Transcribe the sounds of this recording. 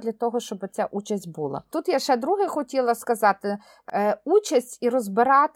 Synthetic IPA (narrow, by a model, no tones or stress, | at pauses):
d̪ʲlʲɐt̪ɔɦɔʃt͡ʃɔbɪt͡sʲaʔut͡ʃɐsʲtʲbulˠɐ̰t̪ut̪jaʃɛd̪ɾuɦɪxɔtʲilˠɐskɐzɑt̪ɪ | ut͡ʃɐsʲtʲiɾɔzbɪɾɑt̪